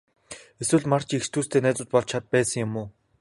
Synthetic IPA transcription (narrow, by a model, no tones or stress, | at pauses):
eswɘ̆ɮmar̥t͡ɕikst̪ʰuːst̪ʰeːnæːt͡sʊːt̪̚pɔɮt͡ɕʰat̪̚pæːsə̆ŋjʊmʊː